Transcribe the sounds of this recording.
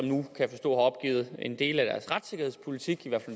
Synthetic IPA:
ɒ̽mnukʰæfɒ̽sd̥ɔ̰̽ːɦɑ̈ɒ̽b̥̚ɡ̥ḭːð̞̩ˠe̝nd̥e̝̰ːlæd̥æɐsʁad̥se̝ɡ̥ɐhe̝ðˠspʰo̝lit͡sʰiɡ̥iʋæɐ̰fæl

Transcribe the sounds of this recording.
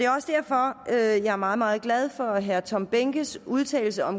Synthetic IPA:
d̥e̝ɒ̽səd̥æɐ̰fɒ̽øjɑ̈ɪæɐmɑ̈ːð̩ˠmɑ̈ːð̞̩ˠɡ̥lɛð̞ˠfɒ̽ɦæɐt͡sʰɒ̽mb̥eŋɡ̥əsuðˠt͡sʰɛ̰ːɪl̩səɒ̽m

